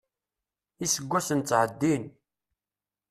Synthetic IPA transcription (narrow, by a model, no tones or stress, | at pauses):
isəɡʷːæsənt͡sːʕəd̪ːin